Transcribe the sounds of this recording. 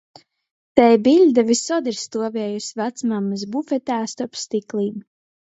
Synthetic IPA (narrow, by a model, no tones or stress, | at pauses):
t̪ɛjbiʎʲd̪avisɔd̪iɾst̪uɔvɛɛjusvæt̪smamːɨs̬bufɛt̪æːst̪ɔpst̪iklˠiːm